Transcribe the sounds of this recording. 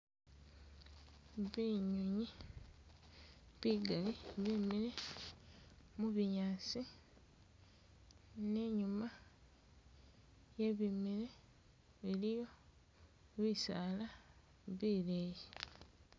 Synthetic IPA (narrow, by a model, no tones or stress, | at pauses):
βiɲuɲi | βiɡaliβimiɾe | muβiɲaːsi | ne̞ɲuma | jeβimiɾe | βilijo̞ | βisaːla | βiːleːji